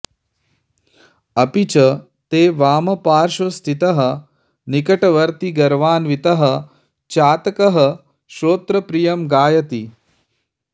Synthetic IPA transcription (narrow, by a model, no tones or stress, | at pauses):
ɐpit͡ʃɐ | t̪eːʋaːmɐpaːɾʃɐst̪ʰit̪ɐɦɐ̆ | nikɐʈɐʋɐɾt̪iɡɐɾʋaːnʋit̪ɐɦɐ̆ | t͡ʃaːt̪ɐkɐɦɐ | ʃoːt̪ɾɐpɾijɐmɡaːjɐt̪i